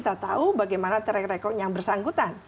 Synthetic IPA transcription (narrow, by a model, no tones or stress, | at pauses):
t̪at̪aubaɡajmanat̪əɾɛkɾɛkɔjaŋbərsaŋɡut̪an